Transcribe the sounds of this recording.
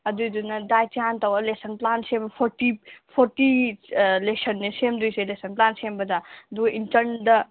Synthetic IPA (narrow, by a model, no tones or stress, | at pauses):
ɐd̪ujd̪unɐd̪ajt͡ʃiãnt̪ɐwɐlesɐnplansempʰoɾʈipʰoɾʈi | lesɐnːesemd̪ujselesɐnplaːnsembɐd̪ad̪uʔintɐnd̪ɐ